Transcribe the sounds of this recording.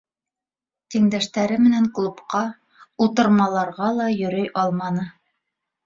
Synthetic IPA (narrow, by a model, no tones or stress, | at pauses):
t̪iŋd̪æʃt̪æɾɘmɘ̆næŋklˠupqɑ | ut̪ɤ̆ɾmɑlˠɑɾʁɑlˠɑjɵ̆ɾɵjʔɑlˠmɑnɤ